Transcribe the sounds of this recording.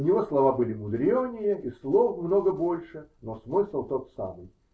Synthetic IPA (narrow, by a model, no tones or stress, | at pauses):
nʲɪvoslˠɐvabɨlʲɪmʊd̪ɾʲonʲɪjəislˠofmnoɡəbolʲʂɨnosmɨsəlˠt̪ot̪sa̰mɨj